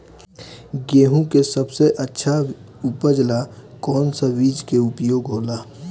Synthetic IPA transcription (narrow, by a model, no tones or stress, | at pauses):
ɡeːɦũkesɐbseʔɐtːʃʰa | upəd͡ʒlakɔːnsaʋiːd͡ʒkeʊpjoːɡɦoːlaː